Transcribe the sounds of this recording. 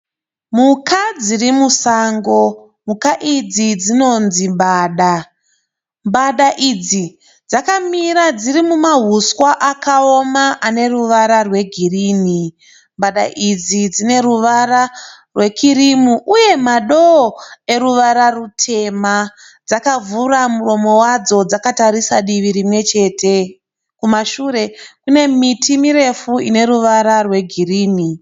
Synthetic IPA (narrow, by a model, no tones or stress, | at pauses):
mukʰad͡zirimusaːŋɡo̞ | mukaʔid͡zid͡zino̞nzimbaːɗa | mbaɗaʔid͡zi | d͡zakamiɾad͡zirimumaɦuswaʔakaomaʔane̞ruʋaɾarwe̞ɡʱiriːni | mbaɗa̰ʔid͡zid͡zine̞ɾuʋara | rwe̞kʰiɾimuʔuje̞maɗoːe̞ɾuʋaɾarutʰe̞ma | d͡zakavuramuɾo̞mo̞wad͡zo̞d͡zakataɾisaɗiʋiɾimwe̞t͡ʃe̞ːte̞ | kumaʃuːɾe̞kune̞mitʰimiɾe̞fuine̞ɾuʋaɾarwe̞ɡʱiriːni